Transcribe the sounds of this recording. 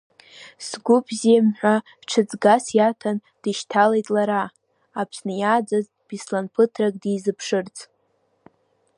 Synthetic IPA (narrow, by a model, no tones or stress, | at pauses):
sɡʷʊbʰzimħʷa | ʈ͡ʂʰɨd͡zʼɡasjatʰan | d̥ɨʃtʰalejtʼlaɾa | apʰsnɨjaːd͡zaz | b̥islanpʰɨtʰrakʼdijzɨpʰʂɨrt͡sʼ